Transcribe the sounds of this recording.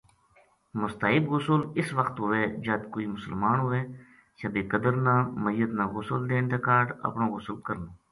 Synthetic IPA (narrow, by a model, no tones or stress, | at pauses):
mʊst̪aːɦɪbɣʊsʊlɪsʋəkt̪ɦʊʋeːd͡ʒəːd̪koːiːmʊsəlmaːnɦʊʋeː | səbiːkəd̪əɾnãːməjːət̪nãːɣʊsəld̪eːnt̪ʰeːkaːɖə̰pnõːɣʊsəlkəɾnaː